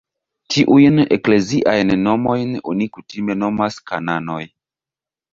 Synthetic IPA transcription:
tʰiʔujne̞̰kle̞ziʔajnːo̞mo̞jno̞̰nikutime̞no̞maskanano̞j

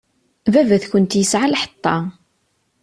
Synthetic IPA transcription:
vævæθçənt̪jəsʕalħə̥t̪ˤːɑ

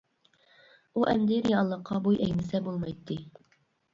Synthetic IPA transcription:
uʔɛmd̪ɪɾjɑlˠːəqʰːɑbujʔɛjnɪsɛbolˠmɑjt̪ʰːɨ

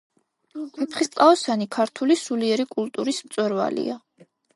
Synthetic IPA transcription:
ɛpʰχist̪ʼqʼaɔsanikʰaɾt̪ʰulisuliɛɾikʼulˠt̪ʼuɾismt̪sʼwɛɾva̰lḭa

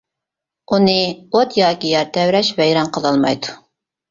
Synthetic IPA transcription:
unɨot̪jɑːkʲijɑɾt̪ʰɛwɾɛʃvɛjɾɑnqʰəlˠɑlˠmɑ̰jd̪u

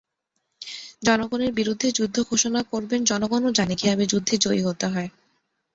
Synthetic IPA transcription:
d͡ʑɔnoɡoneɾbiɾud̪ʱːed͡ʑud̪ʱːoɡʱoʃonakoɾbend͡ʑɔnoɡɔnod͡ʑanikiabed͡ʑud̪ʱːed͡ʑoiɦot̪eɦɔe

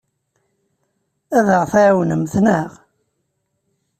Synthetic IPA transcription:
æðəʁθʕawnəmθnəʁ

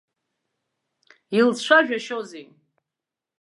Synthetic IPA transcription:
ilt͡sʃʷʰaʒᶣaʃoze

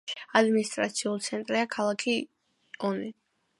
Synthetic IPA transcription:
ad̪minist̪ʼɾa̰t̪sʰiult̪sʰɛnt̪ʼɾiakʰalˠakʰi | ɔni

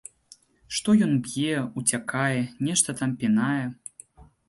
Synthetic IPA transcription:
ʂt̪ɔjɔnbʲjɛut͡sʲakajɛnʲɛʂt̪ɐt̪ampʲinajɛ

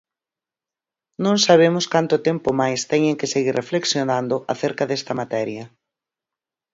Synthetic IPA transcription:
nõŋsaβ̞emʊskant̪ʊt̪empʊmajst̪ɛɲẽŋkɪseɣirʔefleksjonand̪ʊʔaθeɾkɐðest̪ɐmat̪ɛɾjɐ

